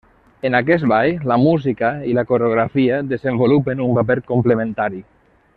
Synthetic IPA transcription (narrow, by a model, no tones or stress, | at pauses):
enakɛst̪̚bajlamuzikailakoɾeoɣɾafiaðezembolupenumbapeɾkomplemẽnt̪aɾi